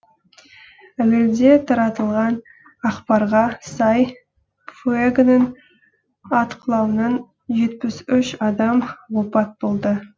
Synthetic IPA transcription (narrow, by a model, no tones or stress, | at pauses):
æwɪld̪e̞t̪ʰɑɾɑt̪əlˠʁɑn | ɑqpɑɾʁɑsɑj | fueɡnən | ɑt̪qəlˠɑwənɑn | ʒe̞t̪̚pɪsʏʃɑd̪ɑmwopɑt̪̚bolˠd̪ə